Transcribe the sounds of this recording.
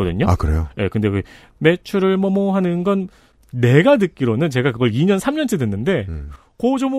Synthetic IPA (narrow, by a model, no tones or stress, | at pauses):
ʌdɯɲoa̰kɯɾejoje̞̰kɯnde̞kɯ | me̞t͡ɕʰuɾɯɭmʌmoɦanɯnɡʌnː | e̞ɡanɯk͈iɾonɯnt͡ɕe̞ɡakɯɡʌɭiɲʌnsʰamɲʌnt͡ɕʰedwenːɯnde̞ | kod͡ʑom